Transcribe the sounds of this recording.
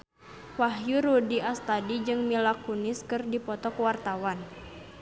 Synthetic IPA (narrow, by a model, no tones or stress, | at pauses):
waɦjuɾudiast̪adid͡ʒɨŋmilakunɪskɨrdipɔt̪ɔkwart̪awan